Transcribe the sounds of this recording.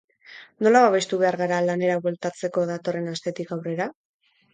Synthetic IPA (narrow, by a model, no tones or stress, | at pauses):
no̞laβaβe̞st̪uβe̞aɾɣaɾalane̞ɾaβwelt̪at͡se̞ko̞ðat̪o̞re̞nast̪e̞t̪ikawre̞ɾa